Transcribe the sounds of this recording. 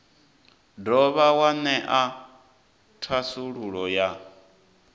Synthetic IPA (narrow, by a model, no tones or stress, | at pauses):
dɔβawanɛʔa | tʰwasuɺuɺɔja